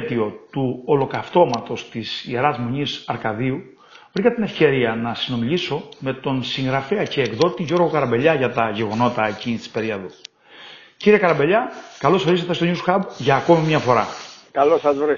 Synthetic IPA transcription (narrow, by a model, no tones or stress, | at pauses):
t̪io̞t̪uolo̞kɐft̪o̞mɐt̪o̞st̪isieɾɐzmoɲisɐɾkɐðiu | vɾikɐt̪ine̞fce̞ɾiɐnɐsino̞miʎiso̞me̞t̪o̞nsiŋɣɾɐfe̞ɐce̞ːkðo̞t̪iʝo̞ɾɣo̞kɐɾɐmbe̞ʎɐʝɐt̪ɐʝe̞ɣo̞no̞t̪ɐe̞cinist̪i̥spe̞ɾiɐðu | ciɾiekɐɾɐbe̞ʎɐkɐlo̞soɾiset̪est̪o̞ɲusxɐbʝɐːko̞mimɲɐfo̞ɾɐ̰kɐlosɐzvɾe